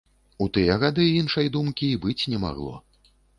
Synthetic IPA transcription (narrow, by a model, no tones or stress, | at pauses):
ut̪ɨjɐɣad̪ɨinʂɐjd̪umkʲibɨt͡sʲnʲɛma̰ɣlˠɔ̰